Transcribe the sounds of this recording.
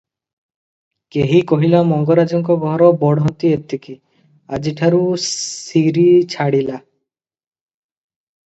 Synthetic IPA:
keɦikoɦilamɔŋɡɔɾad͡ʒɔŋkɔɡʱɔɦɾɔbɔɽɦɔt̪iep̚t̪iki | ad͡ʑiʈʰaɾu | iɾit͡ɕʰaɽila

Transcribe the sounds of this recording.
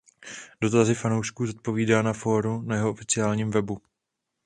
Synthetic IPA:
d̥o̞t̪azɪfanowʃkuːzot̪̚po̞viːdaːnafo̞ːɾunajɛɦoʔofɪt͡sɪaːlɲiːmvɛbu

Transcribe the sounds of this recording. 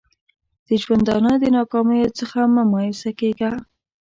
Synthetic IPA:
d̪̥əʒwand̪ɑnəd̪ənɑkɑməjot͡səxamamɑjɪsakeɡa

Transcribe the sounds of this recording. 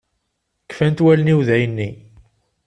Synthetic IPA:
kːfænt̪wæləniwðæjənːi

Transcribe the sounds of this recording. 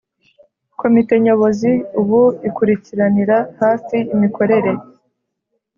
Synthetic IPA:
ko̞mite̞ɲo̞βo̞ziuβuikuɾiciɾaniɾahaːfiimikʰo̞ɾe̞ɾe̞

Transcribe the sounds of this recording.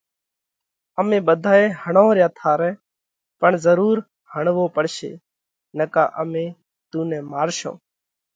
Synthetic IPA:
əmẽːɓəd̪ʱaːẽːhəɳõːɾjãːt̪ʰaːɾɛ̃ː | pəɳzəɾuːɾ | həɳʋoːpəɽʃḛː | nəka̰ːʔəmẽː | t̪uːnɛ̃ːmaːɾʃõ̰ː

